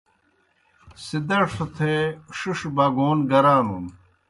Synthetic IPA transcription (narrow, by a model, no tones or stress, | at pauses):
sid̪ɐʂut̪ʰeʂuʂbaːɡoːnɡɐɾaːnun